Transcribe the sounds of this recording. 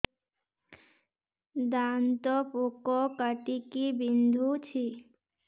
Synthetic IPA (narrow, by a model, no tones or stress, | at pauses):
d̪ant̪ɔpokɔkəʈikibind̪ʱut͡ɕʰi